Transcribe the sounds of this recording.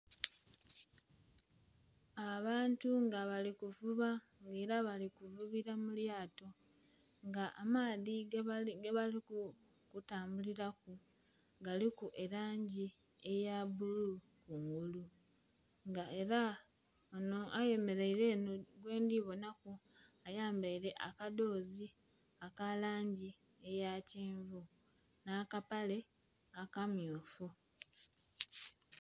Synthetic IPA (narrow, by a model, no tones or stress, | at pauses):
aβaːntuŋɡaβalikuvuβa | ŋɡe̞ːɾaβalikuvuβiɾamuljaːto̞ | ŋɡaʔamaːðiɡeβaliku | kutaːmbuliɾaku | ɡalikuʔe̞ɾaːɲɟi | e̞jaβuluu | kuŋɡulu | ŋɡae̞ɾa | onoʔaje̞me̞ɾeiɾe̞ːnoɡwe̞ːndiːβo̞nakuajaːmbaiɾe̞ʔa̰kado̞ːzi | akalaːɲɟi | e̞jaceːɱvu | naːkapale̞ | akamjoːfu